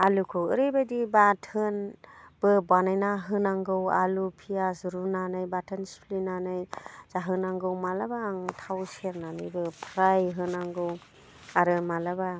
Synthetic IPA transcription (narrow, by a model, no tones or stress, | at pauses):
alukʰɯwɯ̰ɾɯbajdibatʰɯnbɯbanajnaɦɯnaŋɡɯwalupʰijazuɾunanɯjbatʰɯnspʰlinanɯjz̥aɦɯnaŋɡɯwmalabaːŋtʰawseɾnanɯjbɯpʰɾajɦɯnaŋɡɯw | aɾɯmalaba